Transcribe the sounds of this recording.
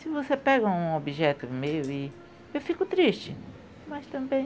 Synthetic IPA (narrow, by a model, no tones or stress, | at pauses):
sɪvosepɛɡɐũobiʒɛt̪ʊmejʊi | ewfikʊt̪ɾiʃt͡ʃɪ | mɐst̪ɐ̃mbẽj̃